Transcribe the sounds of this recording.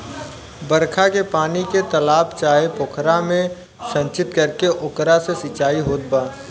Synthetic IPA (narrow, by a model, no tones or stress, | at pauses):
bəɾkʰakepaːniket̪əlaːpt͡ʃaːɦepʊkʰɾamẽ | sə̃nt͡ʃɪt̪kɐɾkeʔʊkɾasesɪt͡ʃaːiɦoːt̪̚baː